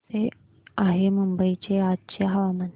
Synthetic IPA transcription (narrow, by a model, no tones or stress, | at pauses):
e | aɦeməmbəit͡ɕeat̪̚t͡ɕeɦaʋamən